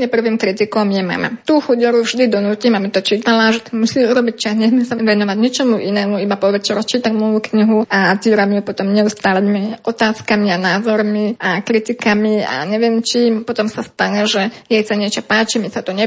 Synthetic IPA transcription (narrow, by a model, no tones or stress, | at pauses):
ɲɛpr̩ʋiːmkɾit̪ikɔmjɛma̰ma̰t̪uːxuɟɔɾuvʒd̪id̪ɔnuːciːmabit̪ɔt͡ʃiːt̪alaʒɛt̪amusiːuɾɔbic̚ʲt͡ʃasɲɛzmɛsaʋɛnɔʋaɟɲɛt͡ʃɔmuʔinɛːmuibapɔʋɛt͡ʃɛɾɔt͡ʃiːt̪amɔjukɲiɦuʔat̪iːɾamiupɔt̪ɔmɲɛust̪aːlɛmiʔɔt̪aːskamianaːzɔɾmiakɾit̪ikamia̰ɲɛʋɪɛmt͡ʃimpɔt̪ɔmsast̪aɲɛʒɛjɛjsaɲɛt͡ʃɔpaːt͡ʃimisat̪ɔɲɛ